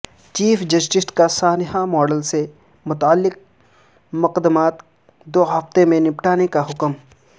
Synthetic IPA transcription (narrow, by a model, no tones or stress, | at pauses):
t͡ʃiːfʰd͡ʒɐsʈɪsʈkasaːnɦamɔːɖəlse | mʊt̪aːlːɪk̚ | mʊqəd̪ːəmaːt̪ | d̪oːɦɐft̪emẽnɪpʈaːnekaɦʊkəm